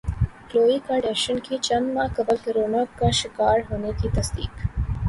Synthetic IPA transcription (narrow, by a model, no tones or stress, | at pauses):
kloːikaɖeʃənkʰit͡ʃənmãkɐbəlkɾoːnəkkːaʃɪkaːɾɦoːnekiːt̪ɐsd̪ḭːk